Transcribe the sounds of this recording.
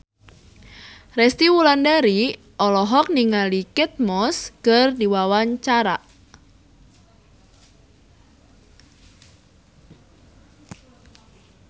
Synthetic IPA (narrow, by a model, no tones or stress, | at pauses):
rɛst̪iwulandaɾi | ʔɔlɔɦɔk̚niŋalikɛt̪̚mɔskərdiwawaɲt͡ʃaɾaʔ